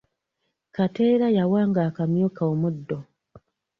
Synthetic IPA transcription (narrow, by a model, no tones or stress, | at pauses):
kateːɾajawaːŋɡaːkamjokaomudːo